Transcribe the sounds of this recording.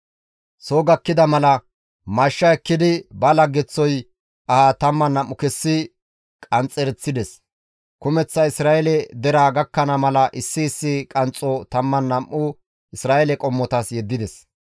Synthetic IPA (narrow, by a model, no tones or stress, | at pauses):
soːɡɐkːɪd̪ɐmɐlɐ | mɐʃːɐɛkːɪd̪ɪbɐlɐɡːɛt͡sːɔj | ɐhaːt̪ɐmːɐnːɐmʔːʊkɛsːɪ | kʼɐnt͡sʼːɛɾɛt͡sːɪd̪ɛs | kʊmɛt͡sːɐɪsɾaːʔɛlɛd̪ɛɾaːɡɐkːɐnɐmɐlɐʔɪsːɪːsːɪkʼɐnt͡sʼɔt̪ɐmːɐnːɐmʔːʊ | ʔɪsɾaːʔɛlɛkʼɔmːɔt̪ɐsjɛd̪ːɪd̪ɛs